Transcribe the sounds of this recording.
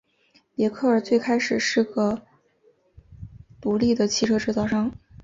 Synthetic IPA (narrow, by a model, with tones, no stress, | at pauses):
pjɛ˧˥kʰɤ˥˩ə˞˨˩t͡swe˥˩ɪkʰa˥ɪʂɻ̩˨˩ʂɻ̩˥˩ɡə˩ | t̪u˧˥li˥˩d̪ə˩t͡ɕʰi˥˩ʈ͡ʂʰɤ˥ʈ͡ʂɻ̩˥˧t͡sɑ˥˩ʊʂɑ˥˩ŋ